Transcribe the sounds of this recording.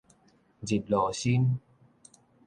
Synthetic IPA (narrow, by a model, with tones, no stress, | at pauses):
zi˨˩t̚lɔː˨˩si˧˥n